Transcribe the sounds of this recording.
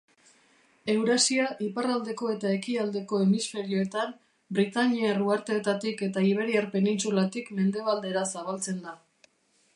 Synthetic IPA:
e̞wɾasiaʔiparald̪e̞ko̞e̞t̪ae̞kiald̪e̞ko̞e̞misfe̞ɾio̞e̞t̪am | bɾit̪aɲieruaɾt̪eːt̪at̪ike̞t̪aiβ̞e̞ɾiaɾpe̞nint͡sulat̪ikme̞nd̪e̞β̞ald̪e̞ɾasaβalt͡se̞nd̪a

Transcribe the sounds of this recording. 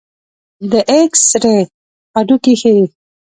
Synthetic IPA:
d̪əʔeksɾe | aɖukixei

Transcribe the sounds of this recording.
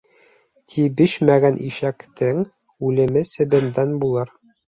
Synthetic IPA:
t̪ʰibɘʃmæɡænʔiʃækt̪ɘŋ | ʉlɘ̆mɘsɘ̆bɘ̆nd̪ænbulˠɤɾ

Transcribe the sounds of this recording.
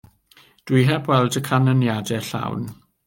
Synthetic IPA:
d̥wiɦɛbwɛlˠdəkʰanɔnjadɛɬa̰wn

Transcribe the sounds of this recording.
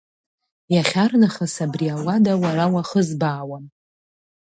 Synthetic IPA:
jaχʲarnaχasabriawadawaɾawaχəzbaːwam

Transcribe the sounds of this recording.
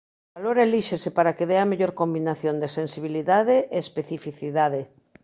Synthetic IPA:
baloɾaeliʃesepaɾakeðeameʎoɾkombinaθjond̪esensiβ̞iliðað̞eeːspeθifiθiðaðe

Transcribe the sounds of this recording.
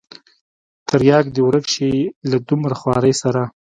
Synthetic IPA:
t̪aɾjɑɡd̪əwɾəkʃelad̪umɾaxwɑɾəjsaɾa

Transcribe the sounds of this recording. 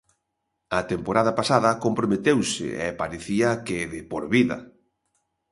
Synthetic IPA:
ɐt̪empoɾaðɐpasaðɐkompɾomet̪ewsɪ̰ɛ̰paɾeθiɐkɪðɪpoɾβiðɐ̰

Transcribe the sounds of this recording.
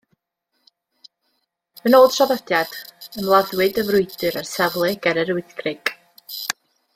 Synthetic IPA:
mənoːd̥sɔðəd̥jad̥ənlˠaðwɨdəvrʊɨdɨɾarsɛvlˠɛɡɛɾɛɾuɨθɡrɪɡ̥

